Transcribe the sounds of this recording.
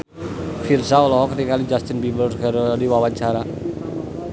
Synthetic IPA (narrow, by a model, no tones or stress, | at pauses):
firsaɔlɔɦɔkənikalid͡ʒast̪inbibərkaɾodiwawaɲt͡ʃaɾa